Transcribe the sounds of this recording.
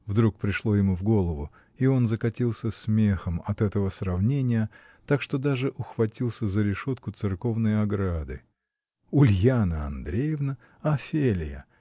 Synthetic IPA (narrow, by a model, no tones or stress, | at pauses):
vd̪ɾuk̚pɾʲɪʂlˠo̞jɪmuvɡo̞lˠəvʊ | io̞nzəkɐtʲilˠsʲəsmʲexəmɐt̪ɛt̪əvəsrɐvnʲenʲɪjə | t̪akʂt̪o̞d̪aʐɨʔʊxvɐtʲilˠsʲəzəɾʲɪʂo̞t̪kʊt̪sɨrko̞vnəjɐɡɾad̪ɨ̰ | ʊlʲjanəɐ̰nd̪ɾʲejɪvnə | ɐfʲelʲɪjə̰